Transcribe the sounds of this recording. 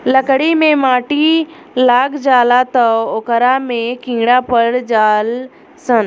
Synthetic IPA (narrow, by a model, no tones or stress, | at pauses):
ləkɽimẽmaːʈi | laːɡd͡ʒaːlat̪əoːkəɾamẽkĩːɽapəɾd͡ʒaːl | sən